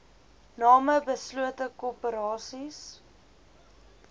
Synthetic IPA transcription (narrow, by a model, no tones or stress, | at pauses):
nɑːməbəsluətəkoːpəɾɑːsis